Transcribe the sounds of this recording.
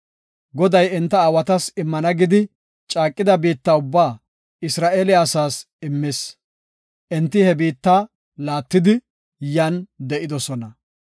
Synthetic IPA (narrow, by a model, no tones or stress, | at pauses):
ɡɔd̪ɐjɛnt̪ːɐːwɐt̪ɐsɪmːɐnɐɡɪd̪ɪ | t͡ʃʼaːkʼːɪd̪ɐbiːt̪ːaʊbːaː | ɪsɾaːʔeːlɪjaːsaːs | ɪmːɪs | ʔɛnt̪ːɪhɛbiːt̪ːaː | laːt̪ːɪd̪ɪ | jɐnd̪ɛʔɪd̪ɔsɔnɐ